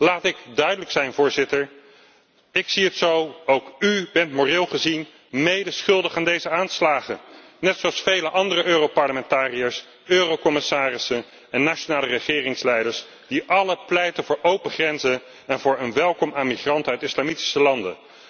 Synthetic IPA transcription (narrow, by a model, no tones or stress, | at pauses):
laːtɪɡdœɥdələksɛjnvʊːɹzɪtəɹ | ɪksiɦətsowowkybɛntmorɪːlˠχəzin | mejdəsχɵlˠdəχaːndejzəaːnslaːχə | nɛtsowɑsfejləʔɑndərəʔøːropɑɹləmɛntaːrijəɹs | øːrowkɔmɪsaːrɪsən | ɛnːaːt͡ʃonaːlərəχɪːrɪŋslɛjdəɹs | d̥iʔɑləplɛjtənvʊːɹʔowpəχrɛnzən | ɛnvʊːɹənʋɛlˠkɔmamiχrɑntœɥtɪslaːmiti̥səlɑndə̰